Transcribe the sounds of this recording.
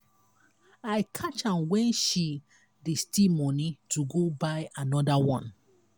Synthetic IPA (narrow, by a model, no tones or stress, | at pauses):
aɪkʰat͡ʃãnwɛ̃nʃi | distimɔnituɡobaɪanɔdawɔ̃n